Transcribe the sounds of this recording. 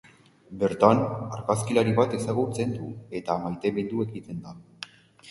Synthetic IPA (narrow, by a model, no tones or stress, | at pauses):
be̞ɾt̪anaɾkaskilaɾiβat̪e̞saɣut͡se̞nd̪ue̞t̪amajt̪e̞βend̪ue̞ɣit̪e̞nd̪a